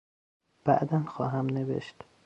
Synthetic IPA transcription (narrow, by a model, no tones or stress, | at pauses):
b̥æ̰ʔd̪ænxɒːɦæmnevḛʃt̪